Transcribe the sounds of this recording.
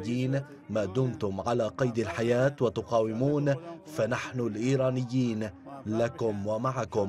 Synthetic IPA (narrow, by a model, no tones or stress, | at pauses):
diːn | maːd̪ʊmt̪ʊmʕalaːqɑjd̪alħajaːt̪wɪt̪ʊqɑːwɪmuːnfanaħnʊlʔiːɾɑːnɪjːiːnlakʊmwamaʕakʊm